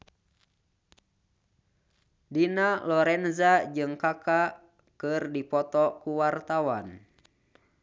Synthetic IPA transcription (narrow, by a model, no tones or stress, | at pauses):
dinalɔɾɛnzad͡ʒɨŋkaka | kɨrdipɔt̪ɔkuwart̪awan